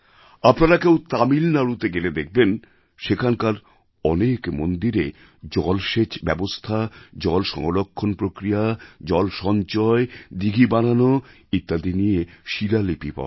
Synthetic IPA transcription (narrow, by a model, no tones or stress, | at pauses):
apnaɾakewt̪amilnaɾut̪eɡeled̪ek̚ʰben | ʃekʰankaɾ | ɔnekmond̪iɾe | d͡ʑɔlʃet͡ɕbɛbost̪ʰad͡ʑɔlʃɔ̰ŋolokʰːonpɾokɾijad͡ʑɔlʃɔnt͡ɕɔed̪iɡʱibanano | it̪ːad̪ʱinijeʃiɾalipipa̰